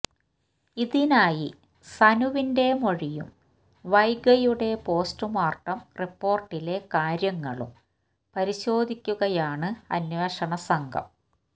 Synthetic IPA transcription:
iðinaːji | sɐnuʋinde̞moɻijṵm | ʋɐjɡɐjuɽe̞po̞ːstɨmaːrʈːɐmripːo̞ːrʈːile̞kaːɾjɐŋːɐ̰ɭṵm | pɐɾiɕo̞ːd̪ʱikʲːuɣɐjaːɳɨɐ̰nweːʂɐɳɐsɐŋɡʱɐ̰m

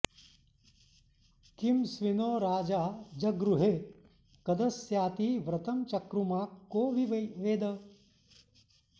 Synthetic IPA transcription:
kimsʋinoːɾaːd͡ʒaːd͡ʒɐɡɾuɦeː | kɐd̪ɐsjaːt̪iːʋɾɐt̪ɐmt͡ʃɐkɾumaːkːoːʋiʋeːd̪ɐ

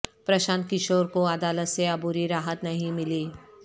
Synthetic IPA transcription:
pɾɐʃãːnt̪̚kɪʃoːɾkoɐd̪aːlət̪seɐbuɾiɾaːɦət̪nɐɦĩmɪliː

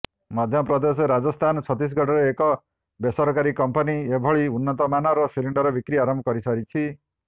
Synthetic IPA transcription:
mɔd̪ʱjɔpɾɔd̪es̬ɔɾad͡zɔst̪ʰanɔt͡sʰɔt̪is̬ɡʱɔʈʰɔɾeekɔ | besɔɾkaɾikɔmpɔniebʱɔɭiunːɔt̪ɔmanaɾɔsiliɳɖɔɾɔbikɾiaɾɔmbʱɔkɔɾisʌɾit͡ʃʰi

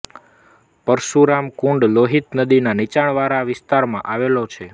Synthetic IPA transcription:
pəɾʃuɾamkũɳɖloɦit̪nəd̪inanit͡ʃaɳʋaɾaʋɪst̪aɾmãʔaʋelot͡ʃʰe

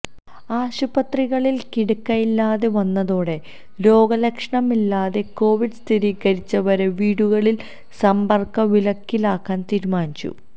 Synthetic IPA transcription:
aːɕubɐt̪riɣɐɭilkiɽukːɐjilːaːðe̞ʋɐnːɐðoːɽe̞ | ɾo̞ːɡɐlɐkʂɐɳɐmilːaːðe̞ko̞ːʋiɖst̪ʰiɾiːɣɐɾit͡ɕːɐʋɐɾeʋiːɽuɣɐɭil | sɐmbɐrkɐʋilɐkːilaːkːaːnt̪iːɾumaːnit͡ɕːṵ

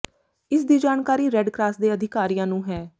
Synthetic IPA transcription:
ɪsd̪iːd͡ʒaːnkaːɾiːɾɛɖkɾaːsd̪eːəd̪ʱɪkaːɾijãːnũːɦɛː

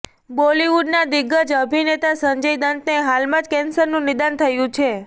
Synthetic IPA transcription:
boliʋuɖnad̪ɪɡəd͡ʒəbʱinet̪asəɲd͡ʒəjd̪ənt̪neɦalmãd͡ʒkɛnsəɾnũnɪd̪ant̪ʰəjũt͡ʃʰe

